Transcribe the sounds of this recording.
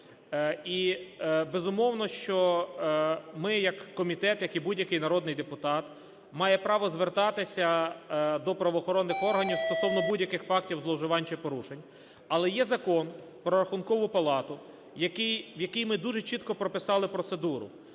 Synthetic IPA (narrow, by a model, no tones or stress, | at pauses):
i | bezʊmɔwn̪ɔʃt͡ʃɔ | mɪjɐkːɔmʲit̪ɛt̪jɐkibudʲjɐkɪjnɐɾɔd̪nɪjd̪epʊt̪ɑt̪ | mɑjɛpɾɑʋɔzʋert̪ɑt̪ɪsʲɐ | d̪ɔpɾɐʋɔːxɔɾɔnːɪxɔrɦɐnʲiwst̪ɔsɔwnɔbudʲjɐkɪxfɑktʲiwzlˠɔwʒɪʋɑnʲt͡ʃɪpɔɾuʃenʲ | ɐlˠɛjɛzɐkɔn | pɾɔɾɐxʊnkɔʋʊpɐlˠɑt̪ʊ | jɐkɪjʋjɐkɪjmɪd̪uʒet͡ʃit̪kɔpɾɔpɪsɑlˠɪpɾɔt̪sed̪uɾʊ̰